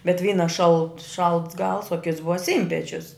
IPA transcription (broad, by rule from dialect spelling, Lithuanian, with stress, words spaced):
bʲɛt ˈʋʲiːnɐ ʃɐlˠt ʃɐlˠts ɡɐlˠs oː kʲɪts ˈbʊʋɐ ˈsʲiːnʲpʲɛt͡ʃʲʊs